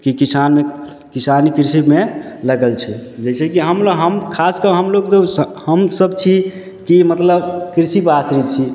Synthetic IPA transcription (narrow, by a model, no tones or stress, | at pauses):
kikisanme | kisanikɾisime | ləɡəlt͡ʃʰɛd͡ʒɛsʰɛkiɦəmlɦəmkʰaskəɦəmlokt̪ohəmsəbt͡ʃʰi | kimət̪ləbkɾisipasɾit͡ʃʰi